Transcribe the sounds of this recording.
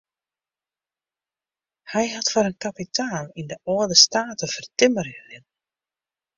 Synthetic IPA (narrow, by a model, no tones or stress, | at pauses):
hajhawt̪faɾankʰapit̪aːninðaɔːðɪst̪aːt̪afɪɾt̪ɪmːaɾjʏðɪn